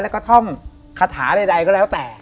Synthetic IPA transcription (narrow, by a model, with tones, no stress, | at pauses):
lɛ˦˥wkɔː˥˩t̪ʰɔ˥˩ŋ | kʰa˧t̪ʰaː˩˦da˧jda˧jkɔː˥˩lɛ˦˥wt̪ɛː˨˩